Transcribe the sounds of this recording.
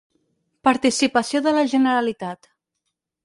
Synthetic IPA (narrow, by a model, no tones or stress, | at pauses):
paɾt̪isipəsioðələʒənəɾalit̪at̪